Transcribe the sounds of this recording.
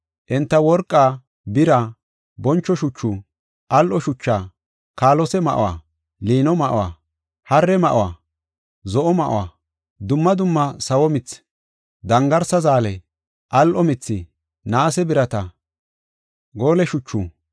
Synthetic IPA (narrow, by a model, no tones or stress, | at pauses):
ʔɪnt̪ːɐwɔɾkʼːaː | bɪɾa | bɔnt͡ʃːɔʃʊt͡ʃːu | ʔɐlʔɔʃʊt͡ʃːaː | kaːlɔsɛmɐʔɔ̰wa̰ː | liːnɔmɐʔo̰wa̰ː | hɐrːɛmɐʔowaː | zɔʔɔmɐʔo̰wa̰ | d̪ʊmːɐd̪ʊmːɐsɐwɔmɪt͡s | d̪ɐŋɡɐɾsɐzaːlɛ | ʔɐlʔɔmɪt͡sːɪ | naːsɛbɪɾɐt̪ɐ | ɡoːlɛʃʊt͡ʃːu